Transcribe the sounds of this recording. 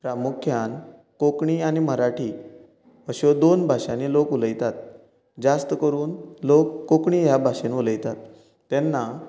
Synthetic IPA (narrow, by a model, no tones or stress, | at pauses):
pɾamukʰjan | kokɳiːañim̤əɾaʈʰiː | əɕod̪onbʱaɕanelokuləjt̪at̪ | d͡ʑast̪əkəɾuːnlokːokɳiːjabʱaɕenuləjt̪at̪ː | ɛnːa